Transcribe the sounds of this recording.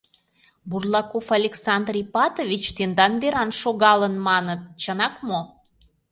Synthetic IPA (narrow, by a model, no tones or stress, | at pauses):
burlˠɑkofɑlʲeksɑnd̪rʲijpɑt̪ovʲit͡ɕt̪end̪ɑnbeɾɑnʃoɣɑlənmɑnət̪̚t͡ɕənɑkmo